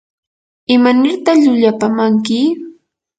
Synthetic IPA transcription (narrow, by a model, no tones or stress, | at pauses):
ɪmanɪɾt̪aχʎʊʎapamaŋkɪ